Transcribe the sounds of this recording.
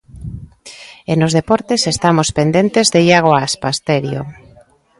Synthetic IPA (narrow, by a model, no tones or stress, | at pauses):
enozðepɔɾt̪esest̪amospend̪ent̪ezðejaɣ̞oaaspast̪eɾjo̰